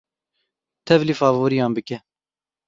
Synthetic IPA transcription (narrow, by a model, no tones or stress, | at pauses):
t̪ʰɛvlifɑːvoːɾijɑːnbɨkɛ